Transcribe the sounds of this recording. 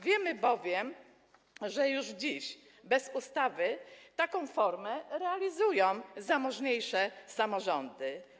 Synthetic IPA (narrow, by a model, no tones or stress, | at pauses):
vʲjɛmɘbɔvʲjɛm | ʐɛjuʐd͡ʑiɕ | bɛzust̪avɘt̪akɔ̃w̃fɔɾmɛɾɛalʲizujɔ̃w̃zamɔʐɲejʂɛsamɔʐɔnd̪ɘ